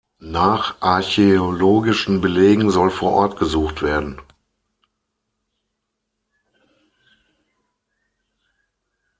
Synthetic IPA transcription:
naːχʔaɐçeoloːɡɪʃn̩bəleːɡŋ̩zɔlfoːɐʔɔɐtɡ̥əzuːxtv̥eːɐdn̩

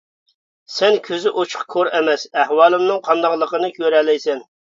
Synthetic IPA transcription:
sɛnkʲʰøzɪʔot͡ʃʰʊ̥qkʰoɾɛmɛsɛhwɑːlˠɪmnɨŋqʰɑnd̪ɑʁlˠəqənɨkʲʰøɾɛlɛjsɛn

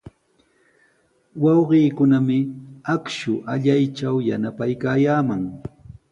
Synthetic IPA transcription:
wɑwɢiːkʊnamɪakʃʊʔaʎajt͡ʃawjanapajkaːjaːmaŋ

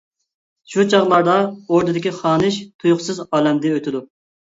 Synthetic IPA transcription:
ʃut͡ʃʰɑʁlˠɑɾd̪ɑoɾd̪ɨd̪ɪkʲiχɑːnɨʃt̪ʰujʊχsɨzɑːlɛmd̪ɪøt̪ʰɪd̪u

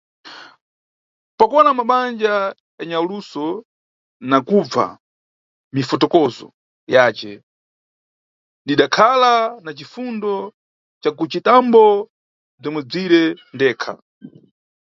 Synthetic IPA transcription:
pakɔnamaɓand͡ʒa | jaɲaulusɔ | nakub͡va̰ | mifɔtɔkɔzɔ̰ | jaːt͡ʃɛ | ɗiɗakʰalanat͡ʃifundɔ | t͡ʃakut͡ʃitambɔ | b͡ʐɔmwɛb͡ʐiɾɛndɛːkʰa̰

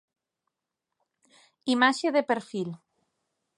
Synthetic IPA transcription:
imaʃeðepeɾfil

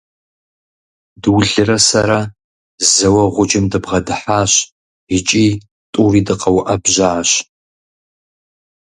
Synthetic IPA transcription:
dɨwɮɨrɐsɐɾa | zɐwɐʁʷʊd͡ʒɪmdɨbʁɐdɨħaːɕ | ɪt͡ʃʼiː | tʼuːriːdɨqɐwʔɐbʒaːɕ

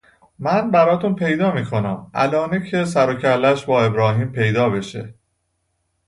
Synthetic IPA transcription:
mænbæɾɒːt̪ʰunpʰe̞jd̪ɒːmiːkʰo̞næmʔæ̰lɒːnecʰesæɾocʰælːæʃbɒːe̞bɾɒːɦiːmpʰe̞jd̪ɒːbe̞ʃḛ

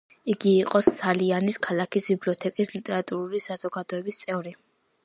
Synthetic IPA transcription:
iɡiːqʼɔssʰalianiskʰalˠakʰisbibliɔt̪ʰɛkʼislit̪ʼɛɾat̪ʼuɾulisaz̥ɔɡad̪ɔɛbist̪sʼɛvɾi

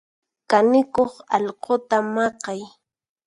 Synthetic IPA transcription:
kanɪkoχɑʎqot̪amɑqɑj

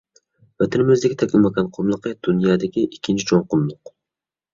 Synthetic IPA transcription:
væt̪ʰɪnɪmɪzd̪ɪkʲɪt̪ʰɛkʲlɪmɑkʲɑnqʰʊmlˠɨqɨd̪̥unjɑːd̪ɪkʲiʔikʲʰːint͡ʃʰit͡ʃʰonqʊmlˠʊq

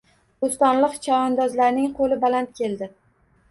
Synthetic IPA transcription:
ost̪ɒnlˠɨqt͡ʃʰaɒnd̪ɒzlaɾnɪŋqʰolɪbalant̪̚kʲʰe̞ld̪ɪ

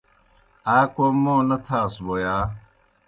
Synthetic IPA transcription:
aːkoːmõːnɐt̪ʰaːsboːjaː

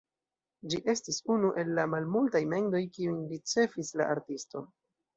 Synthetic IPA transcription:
d͡ʒiʔe̞stisunuʔe̞lːamalmultajme̞ŋdo̞jkiujlit͡se̞fisla̰ʔaɾtisto̞̰

